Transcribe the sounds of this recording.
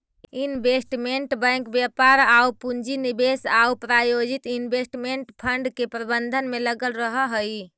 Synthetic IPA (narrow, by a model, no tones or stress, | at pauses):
inbʱesʈmeɳʈbə̃jŋkbjapaɾaupund͡ʒinibesaupɾajod͡ʒit̪inbʱesʈmeɳʈpʰəɳɖkepɾəbənd̪ʱənmeləɡəlɾəɦəɦəj